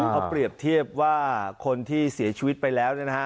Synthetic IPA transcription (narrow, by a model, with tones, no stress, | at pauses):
a˦˥wpli˨˩əp̚t̪ʰi˥˩əp̚waː˥˩kʰo˧nt̪ʰiː˥˩si˩˦ɐt͡ɕʰi˧wi˦˥t̪̚pa˧jlɛː˦˥wnɯ˥˩na˦˥ka˦˥